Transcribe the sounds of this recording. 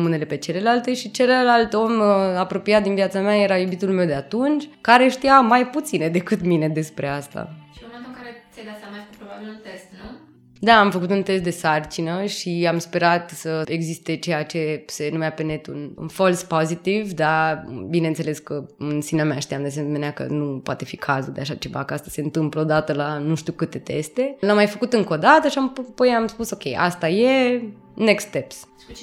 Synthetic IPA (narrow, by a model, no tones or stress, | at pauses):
une̞le̞pe̞t͡ʃe̞le̞lalt̪e̞ʃit͡ʃe̞llalt̪o̞mapɾo̞piat̪̚d̪invijat̪sameajeɾajubit̪ulme̞wd̪e̞at̪unt͡ʃʲkaɾe̞ʃt̪iamajput̪sined̪e̞kɨt̪mine̞d̪e̞spɾe̞ast̪a̰ʃiunat̪əkaɾesed̪asamakupɾobabilunt̪est̪n | d̪aːmfəkut̪unt̪e̞st̪̚d̪e̞sart͡ʃinəʃiamspe̞ɾat̪səeɡzist̪e̞t͡ʃe̞jat͡ʃe̞senumeapenet̪ṵnṵnfolspozit̪ivd̪abine̞nt̪seleskəɨnsinameaʃt̪iamd̪es̬emeneakə̰nupoat̪e̞fikʰazuld̪eaʃat͡ʃe̞va̰kəast̪ḁse̞ɨnt̪ɨmpləod̪at̪əlanuʃt̪iukɨt̪e̞t̪est̪e̞lamːajfəkut̪ɨŋko̞d̪at̪əʃiamppojamspuso̞kʲe̞jʔa̰st̪aje | nekst̪t̪eps